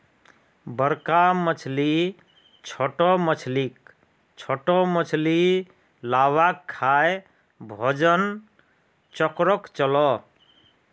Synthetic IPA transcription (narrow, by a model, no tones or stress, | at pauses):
bəɾkamət͡ʃʰli | t͡ʃʰɔʈɔmət͡ʃʰlik | t͡ʃʰɔʈɔmət͡ʃʰli | lawakʰːaj | bʱɔd͡ʒən | t͡ʃɔkɾɔkt͡ʃəlɔ